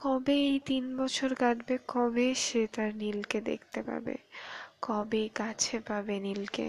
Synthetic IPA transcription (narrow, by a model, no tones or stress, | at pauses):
kɔbeejt̪inbɔt͡ɕʰoɾkad̪bekɔbeʃet̪aɾnilked̪ḛkʰt̪epa̰ɾbḛkɔbejkat͡ɕʰepabenilkḛ